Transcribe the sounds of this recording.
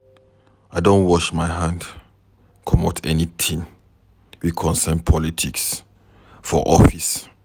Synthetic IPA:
aɪdõnwɔʃmaɪɦãnd | kʰɔmatʰɛnit̪ʰĩŋ | wikʰɔ̃nsɛnpʰɔlitʰiks | fɔʔɔfis

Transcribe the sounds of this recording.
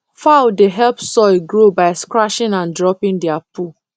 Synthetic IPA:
fawdeɦɛlpsɔɪɡɹobaɪskɹaʃĩnãndɹɔpĩŋdɛapu

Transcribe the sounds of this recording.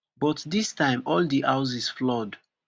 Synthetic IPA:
bɔtdistãɪ̃mɔldiʔaʊzisflɔd

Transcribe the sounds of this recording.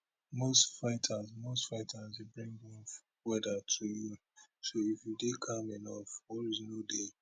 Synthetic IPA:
mostfaɪtʰazmostfaɪtʰazibɹĩŋɛ̃m | wɛdatʰuju | soifjudekʰãmɛnɔfwɔɹiznode

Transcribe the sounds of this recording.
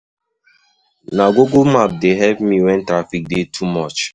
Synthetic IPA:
naɡoɡomap̚deɦɛpmiwɛ̃ntɾafik̚detʰumɔt͡ʃ

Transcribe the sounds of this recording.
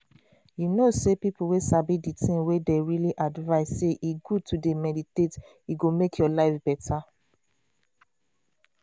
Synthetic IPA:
junosepipuwesabiditʰĩŋwedeɹiliʔadvaɪsseʔiɡud̚tʰudemɛditet | jiɡomekʰjɔlaɪfbɛtʰa

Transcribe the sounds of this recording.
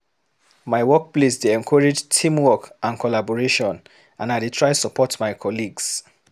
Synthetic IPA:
maɪwɔk̚plesdeɛ̃nkʰɔɹed͡ʒtʰĩmwɔkãnkʰɔlabɔɹeʃɔ̃n | ãnaɪdetʰɹaɪsəpɔtmaɪkʰɔliɡs

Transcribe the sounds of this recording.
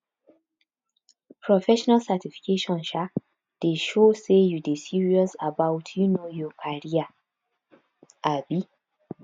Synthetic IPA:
pʰɹɔfɛʃɔnalsatifi̥keʃɔ̃nʃa | d̥eʃosejudesiɹiɔsabawtʰjunojɔkʰaɹia | ʔabi

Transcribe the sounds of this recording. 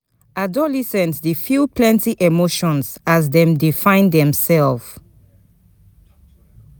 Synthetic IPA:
adɔlisɛ̃ntdifjupʰlɛ̃ntiʔemoʃɔ̃nsazdɛ̃mdifãɪ̃ndɛ̃msɛlf

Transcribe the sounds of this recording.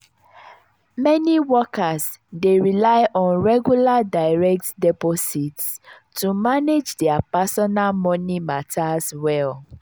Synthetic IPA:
mɛniwɔkasdeɹilaɪʔɔ̃nɹɛɡjuladaɪɹɛk̚tdɛpɔsits | tumaned͡ʒdɛapasɔnalmɔ̃nimatʰaswɛl

